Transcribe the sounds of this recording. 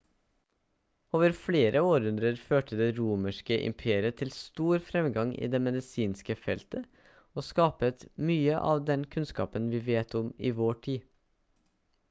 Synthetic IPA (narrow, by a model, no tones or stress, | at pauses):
oːʋəɾfɽeːɾʔəoːɾʉnd̪ɾəɾføːʈəd̪eːɾuːməʃkəʔɪ̰mpʰeːɾɪət̪ʰɪlst̪uːɾfɾɛmɡɑŋʔḭːd̪eːmɛd̪ɪsiːnskəfɛlt̪ə | oːskɑːpət̪myːəʔɑ̰ːʋd̪ɛnkʰʉnskɑ̰ːpənʋiːʋeːt̪ɔmiːʋoːʈʰiː